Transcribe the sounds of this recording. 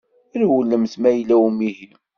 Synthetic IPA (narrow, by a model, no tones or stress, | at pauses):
əɾwəlːəmθmæjəlæwəmiɦim